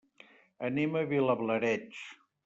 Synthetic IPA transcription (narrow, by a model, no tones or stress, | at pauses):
əniməβiləβləɾɛt͡ʃ